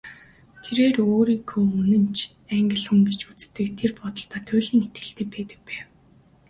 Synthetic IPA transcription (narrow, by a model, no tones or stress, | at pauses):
t̪ʰeɾeːroːɾiːkʰoːunɘ̆nt͡ɕʰæŋɡʲɪ̆ɮχɘ̆mɡet͡ɕut͡sst̪ɘ̆kt̪ʰerpɔt̪ɞ̆ɬt̪aːt̪ʰʊːɮiːŋet̪ɡɘ̆ɬt̪ĕːpæːt̪ɘ̆k̚pæːw